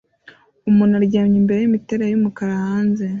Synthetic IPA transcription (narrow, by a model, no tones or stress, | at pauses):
umunaɾɟaːmɲimbe̞ɾejimiteːɾajjumukaɾahaːnze̞